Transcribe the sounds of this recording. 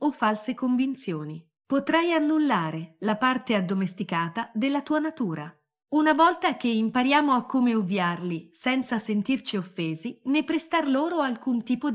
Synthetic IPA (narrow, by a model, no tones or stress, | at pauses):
ofːalsekoɱvint̪sjoːni | pot̪ɾajanːulːaːɾelapart̪ead̪ːomest̪ikaːt̪ad̪elːat̪uːanat̪uːɾa̰ | unavɔlt̪ak̟eimpaɾjaːmoakːomeovjarlisɛnt̪sasent̪irt͡ʃiofːeːzinepːɾest̪arloːɾoalkunt̪iːpo